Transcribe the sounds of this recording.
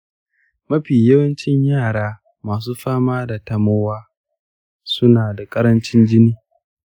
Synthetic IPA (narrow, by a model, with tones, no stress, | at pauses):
mɐ˦ɸiː˨jɐ˦wɐ˦nt͡ʃɪ˦ɲjaː˦˨ɽaː˦ | maː˨s̬uː˦ɸaː˦maː˦da˨tɐ˨moː˦waː˦ | sʊ˦naː˨da˨kʼɐ˦ɾɐ˦nt͡ʃɪ˦nd͡ʒɪ˦niː˦